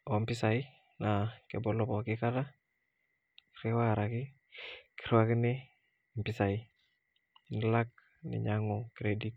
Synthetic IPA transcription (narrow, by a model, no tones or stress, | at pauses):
ɔmpisai | nakḛbɔlɔpɔkikada | kɾewaaɾaki | ki̥ɾwakine | mpisai | nlak̚ | nḭɲaŋokɾedit̚